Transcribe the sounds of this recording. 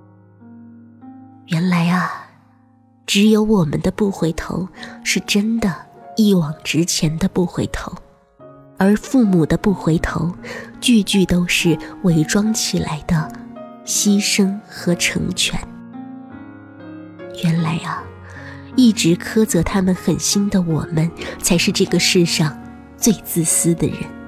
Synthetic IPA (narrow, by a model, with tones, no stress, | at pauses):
ɥɛ˧˥nla˧˥ɪɐ˧ | ʈ͡ʂɻ̩˧˥jo˧˥ʊwɔ˨˩mə̰˦nd̪ə˧pu˥˩xwe˧˥ɪt̪ʰo̰˧˥ʊʂɻ̩˥˩ʈ͡ʂə˥nd̪ə˨i˥˩wɑ˨˩ŋʈ͡ʂɻ̩˥t͡ɕʰjɛ˧˥nd̪ə˧pu˥˩xwe˧˥ɪt̪ʰo̰˧˥ʊ | ə˞˧˥fu˥˩mu˨˩d̪ə˦pu˥˩xwe˧˥ɪt̪ʰo̰˧˥ʊt͡ɕy˥˧t͡ɕy˥˩t̪o˥ʊʂɻ̩˥˩we˧˥ɪʈ͡ʂwɑ˥ŋt͡ɕʰi˨˩la̰˧˥ɪd̪ə˧ | ɕi˥ʂɤ˥ŋxɤ˧˥ʈ͡ʂʰɤ̰˧˥ŋt͡ɕʰɥɛ̰˧˥n | ɥɛ˧˥nla˧˥ɪɐ˧ | i˥˩ʈ͡ʂɻ̩˧˥kʰɤ˥t͡sɤ˧˥t̪ʰa˥mə˨nxə˨˩nɕi˥nd̪ə˨wɔ˨˩mə˦nt͡sʰa˧˥ɪʂɻ̩˥˧ʈ͡ʂɤ˥˩ɡə˩ʂɻ̩˥˧ʂɑ˥˧ŋ | t͡swe˥˧ɪt͡sɹ̩˥˩sɹ̩˥d̪ə̰˨˩ɻə̰˧˥n